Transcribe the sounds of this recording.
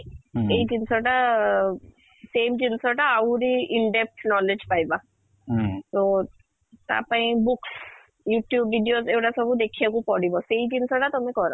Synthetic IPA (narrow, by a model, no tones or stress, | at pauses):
ejd͡ʒinsɔʈa | semd͡ʒinsɔʈaːɾiiɳɖep̚ʈʰnɔled͡ʒpajba | t̪o | t̪a̰paĩbuks | juʈjubːiɖijozewʈasɔbud̪ekʰijakupɔɽibɔsejd͡ʒinsɔʈat̪ɔmekɔɾɔ